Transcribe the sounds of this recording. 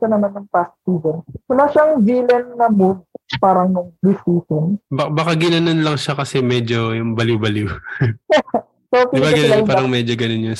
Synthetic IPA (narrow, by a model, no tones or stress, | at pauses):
ʃɐnɐmɐnɐŋpast̪uːɡɐnwɐlaːʃɐŋviːlɐnːɐmud̪̚paːɾɐŋlʊsuːsɐnbɐbɐkaɡɪnɐnonlɐŋʃakɐsɛmɛd͡ʒojʊŋbɐliwbɐliw | sopiɪbaɡɪnɐnopaːɾɐŋmɛd͡ʒoɡɐnonjʊn